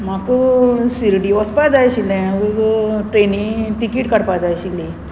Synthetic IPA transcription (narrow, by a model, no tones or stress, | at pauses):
m̤akusiɾɽiɔspad͡zajɕilɛ̃uɡʈɾenĩʈikiʈkəɽpad͡zajɕili